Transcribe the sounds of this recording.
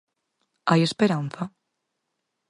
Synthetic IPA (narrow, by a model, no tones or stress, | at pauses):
ajespeɾanθa